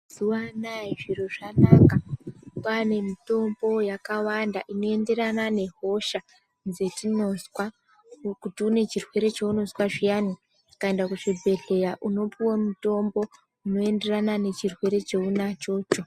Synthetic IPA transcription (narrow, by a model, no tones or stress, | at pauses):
z̥uwanaiʐiɾo̞ʐanaːkapane̞mito̞mbo̞jakawandaʔino̞e̞nde̞ɾanane̞ɦo̞ʃa | nze̞tino̞swa | kutiune̞t͡ʃirwe̞ɾe̞t͡ʃeuno̞swaʐijani | ikae̞ndakuʐibʱe̞ɮe̞jaʔuno̞piwomuto̞mbo̞ | uno̞e̞nde̞ranane̞t͡ʃirwe̞ɾe̞t͡ʃe̞unat͡ʃo̞ːt͡ʃo